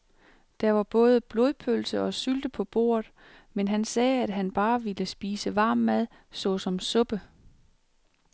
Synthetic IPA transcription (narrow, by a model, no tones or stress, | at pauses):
d̥ɑʋɑ̈b̥ɔ̽ːð̞ˠəb̥lo̝ðˠpʰølsəɒ̽syld̥əpʰɒ̽b̥o̝̰ːɐðˠ | menɦænsɛːæd̥ɦænb̥ɑ̈ːʋiləsb̥iːsəʋɑ̈ːmːæð̞ˠ | sɒ̽sɒ̽msɔ̽b̥ə